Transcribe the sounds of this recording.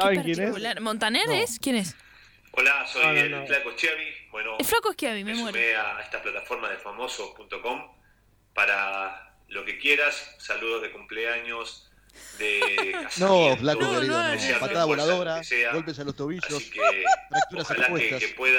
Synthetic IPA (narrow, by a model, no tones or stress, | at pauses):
aekjeneslaɾmõnt̪aneɾeskjenes | olasojlflakost͡ʃjaβibwenoelflakoeht͡ʃjaβimemweɾmeaeht̪aplat̪afoɾmaðelfamosopunt̪okom | paɾa | lokekjeɾasːaluðozðekumpleaɲos | d̪ekasnõflaoaɾiðasapat̪aðaβolaðo̞ɾaseaɡo̞lpesalost̪oβiʃosikeɾakt̪uɾaselakwet̪asepweð